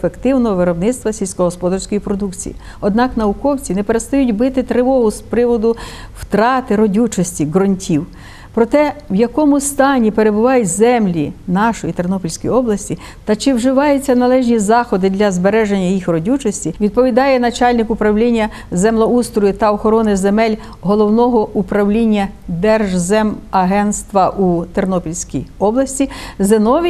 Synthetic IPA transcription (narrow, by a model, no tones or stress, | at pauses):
fekt̪ɪwnɔɦɔʋɪɾɔbnɪt̪st̪ʋɐsʲilʲsʲkɔɦɔspɔd̪ɐrsʲkɔjipɾɔd̪ukt͡sʲḭjḭ | ɔd̪nɑknɐʊkɔwt͡sʲinɛpeɾest̪ɐjutʲbɪt̪ɪt̪ɾɪʋɔɦʊspɾɪʋɔd̪ʊwt̪ɾɑt̪ɪɾɔdʲut͡ʃɔsʲtʲiɡɾɔnʲtʲiw | pɾɔt̪ɛwjɐkɔmʊst̪ɑnʲipeɾe̞bʊʋɑjʊtʲzɛmlʲinɑʃɔjit̪ernɔpɔlʲsʲkɔjiɔblˠɐsʲtʲi | t̪ɐt͡ʃɪwʒɪʋɑjʊt͡sʲːɐnɐlˠɛʒnʲizɑxɔd̪ɪd̪lʲɐzbeɾɛʒenʲːɐjixrɔdʲut͡ʃɔsʲtʲiʋʲid̪̚pɔʋʲid̪ɑjɛnɐt͡ʃɑlʲnɪkʊpɾɐwlʲinʲːɐ | zɛmlˠɐust̪ɾɔjit̪ɐɔxɔɾɔnɪzemɛlʲ | ɦɔlˠɔwnɔɦɔʔupɾɐwlʲinʲːɐ | d̪ɛrʒzɛmɐɦɛnt̪st̪ʋɐʔut̪ernɔpʲilʲsʲkʲḭjɔblˠɐsʲtʲizenɔʋʲ